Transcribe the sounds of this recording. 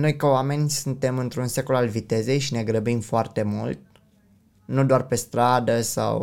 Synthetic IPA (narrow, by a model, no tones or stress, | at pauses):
no̞jkəoame̞nʲsunt̪e̞mɨnt̪ɾunse̞ko̞lalvit̪e̞ze̞jʃine̞ɡɾəbimfoart̪e̞mṵlt̪̚ | nud̪oarpe̞st̪ɾad̪əsa̰w